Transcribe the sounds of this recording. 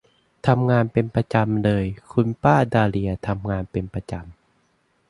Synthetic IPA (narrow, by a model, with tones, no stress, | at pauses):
t̪ʰa˧mŋaː˧npe˧npɾa˧t͡ɕa˧mlɤː˧jkʰu˧npaː˥˩daː˧li˧ɐt̪ʰa˧mŋaː˧npe˧npa˧t͡ɕa˧m